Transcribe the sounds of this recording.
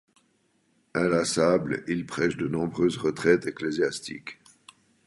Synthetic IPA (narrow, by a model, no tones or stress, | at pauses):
alasablilpχɛʃd̪ənɔ̃bʁøːzʁət̪χɛt̪ekleziast̪ḭk